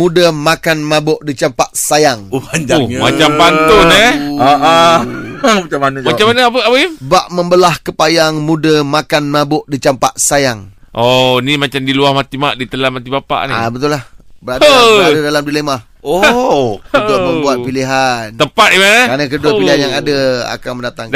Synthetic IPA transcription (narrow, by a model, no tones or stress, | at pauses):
mudəmakanmabʊʔdit͡ʃampaʔsajaŋand͡ʒamat͡ʃampant̪ʊniaʔa | mat͡ʃamanumat͡ʃamanəap̬əapəibaʔməmbəlahkəpajaŋmudəmakanmabʊʔdit͡ʃampa̰ʔsajaŋʔonimat͡ʃamdiluahmat̪imaʔdit̪əlamat̪ibapa̰ʔnḭabət̪ʊlahbəɾadəɾadədalamdilemah | o | ut̪ʊməmbuat̪̚piliɦant̪əpat̪̚imanəkanəkəduapiliɦanjaŋadəa̰kaŋməndat̪aŋ